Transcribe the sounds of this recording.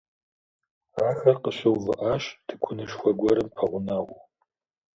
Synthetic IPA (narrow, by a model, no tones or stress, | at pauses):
raːxɐrqəʃɪwvɨ̰ʔaːʃd̥ʰɨkʷʰʊnɨʃxʷɐɡʷɔɾɨmpʰɐʁʷʊnaʁʷʊ